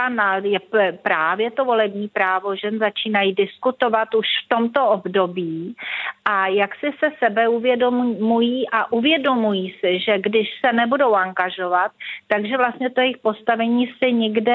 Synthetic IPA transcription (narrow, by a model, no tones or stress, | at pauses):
anajɛpɾaːvjɛt̪o̞vo̞lɛbɲiːpɾaːvo̞ʒɛnzat͡ʃiːnajidɪskut̪o̞vat̪uʃft̪o̞mt̪o̞ʔobdo̞biːʔajaksɪsɛsɛbɛuvjɛdommujiːʔaʔuvjɛdo̞mujiːsɪʒɛɡdɪʃsɛnɛbudo̞waŋɡaʒo̞vat̪̚ːaɡʒɛvlast̪ɲɛt̪ojɛjɪxpo̞st̪avɛɲiːsɪɲɪɡdɛ